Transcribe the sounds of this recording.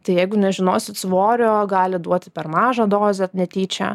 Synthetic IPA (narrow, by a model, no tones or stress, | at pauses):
t̪ɐɪjɛɪɡʊnʲɛʒʲɪnoːsʲɪt̪sʋoːɾʲoːɡɑːlʲɪd̪uɔt̪ʲɪpʲɛrmɑːʒɑd̪oːzʲɛnʲɛt̪ʲiːt͡ʃʲɛ̰